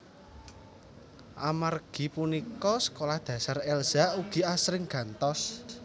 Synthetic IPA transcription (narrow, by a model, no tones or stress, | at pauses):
ʔamarɡ̥i̤punikɔsə̥kolahd̪̥ä̤sarɛlz̥auɡ̥i̤asɾɪŋɡ̥ä̤nt̪ɔs